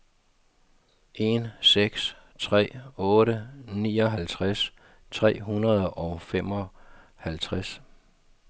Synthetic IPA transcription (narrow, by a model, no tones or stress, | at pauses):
ʔe̝nseɡ̥s | t͡sʰʁɛ̰ːɔ̽ːɾənḭːɒ̽ɦælt͡sʰʁas | t͡sʰʁɛ̰ːɦunɐð̞ˠɒ̽ʊfem̰ɒ̽ | hælt͡sʰʁas